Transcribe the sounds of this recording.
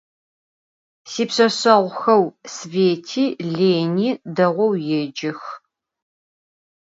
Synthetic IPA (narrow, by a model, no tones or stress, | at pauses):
siːpsɐsɐʁʷxɐwsveːtʰiːɮeːniːdɐʁʷɔwjɛd͡ʒɪx